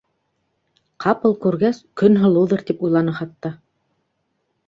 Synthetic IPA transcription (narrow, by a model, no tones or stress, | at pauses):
qʰɑpɤlˠkʉɾɡæskɵnɦɤ̆lˠɤwðɤɾt̪ipujlˠɑnɤχɑt̪ːɑ